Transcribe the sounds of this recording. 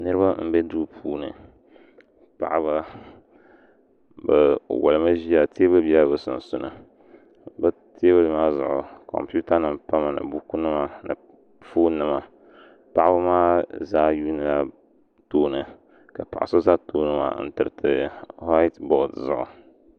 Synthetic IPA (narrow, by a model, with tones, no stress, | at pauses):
nɨ˦ɾɨ˦ba˦m̩˦bɛ˦duː˦pʰuː˦nɨ̰˨ | pa̰˨ʔa˦ba˦ | ba˨wʔa̰˨lɨ˨ma˦ʒi˦a˨tʰe˦ba˦bi˦a˦bɨ˨sʊ̰˨n˨sʊ˦nɨ˨ | ba˦ | ti˦e˦ba˦lɨ˦maː˦zʊ˨ʔʊ˨kɔ̰˨mpi˦u˦ta˦nɨ˦mpa˦ma˨nɨ̰˨bu˦ku˦nɨ˦ma˨nɨ̰˨ | foː˦nɨ˦ma˨ | pa˨ʔa˦ba˦maː˦za˦juː˦nɨ˨la˦ | toː˦nɨ˨ | ka˨pa̰˨ʔa˨so˦za˦toː˦nɨ˦ma̰˨˦n̩˦tɨ˨ɾɨ˨tɨ˨ha˦tbɔ˨dzʊ̰˨ʔʊ̰˨